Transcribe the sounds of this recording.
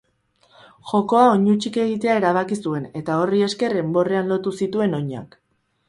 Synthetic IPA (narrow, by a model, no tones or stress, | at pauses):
ʝo̞ko̞aoɲut͡ʃike̞ɣit̪e̞ae̞ɾaβ̞akisue̞ne̞t̪ao̞rie̞ske̞re̞mbo̞re̞anlo̞t̪usit̪ue̞no̞ɲa̰k